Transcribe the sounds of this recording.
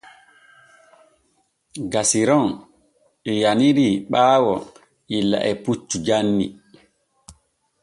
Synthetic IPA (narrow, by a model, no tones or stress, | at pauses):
ɡasiɾɔn | ɛjaniɾiɓaːwɔ | ilːa̰ʔɛput͡ʃːud͡ʒanːḭ